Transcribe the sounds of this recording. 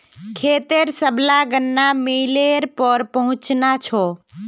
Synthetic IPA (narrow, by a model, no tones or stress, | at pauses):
kʰeːt̪eɾsəblaɡənːameleɾpəɾpəɦʊ̃t͡ʃnat͡ʃʰɔː